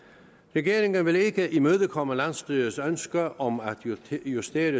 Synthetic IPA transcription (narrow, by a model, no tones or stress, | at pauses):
ʁɛɡ̥e̝ːɐe̝ŋənʋe̝le̝ɡ̥əʔimøːð̞ˠəkʰɒ̽məlænsd̥yːɐsønsɡ̥ɐʔɒ̽mæd̥jusd̥e̝ːɐɾə